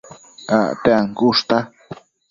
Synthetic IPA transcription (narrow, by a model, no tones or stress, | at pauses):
a̰t̪eaŋkuʂt̪a